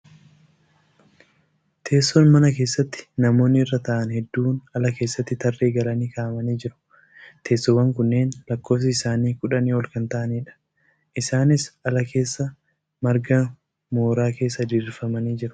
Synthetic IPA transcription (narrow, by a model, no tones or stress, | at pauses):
t̪ʰe̞ːsːɔnmɐnɐke̞ːsːɐt̪ːɪ̥nɐmo̞ːnːɪɪrːɐt̪ɐʔɐnhɛd̪ːuːnɐlɐke̞ːsːɐt̪ːɪt̪ɐrːe̞ːɡɐlɐniːkaːʔmɐniːd͡ʒɪɾʊ̥ | t̪ʰe̞ːsːɔwɐŋkʊnːe̞ːnlɐkːo̞ːfsɪɪsaːniːkʊᶑɐniːɔlkɐnt̪ɐʔɐniːᶑɐ̥ | ʔɪsaːnɪsɐlɐke̞ːsːɐ | mɐɾɡɐ | moːɾaːke̞ːsːɐd̪ɪrːɪfɐmɐniːd͡ʒɪɾʊ̥